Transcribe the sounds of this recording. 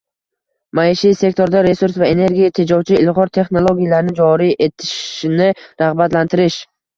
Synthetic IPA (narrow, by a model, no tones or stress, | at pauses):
majɪʃise̞k̚t̪ʰoɾd̪aɾe̞suɾsvae̞ne̞ɾɡʲijat̪ʰed͡ʒɒwt͡ʃʰɪɪlˠʁɒɾt̪ʰe̞χno̞lˠoɡʲijalaɾɪnɪd͡ʒɒɾiʔe̞t̪ʰɪ̥ʃnɪɾaʁbat̪lant̪ʰɪɾɪʃ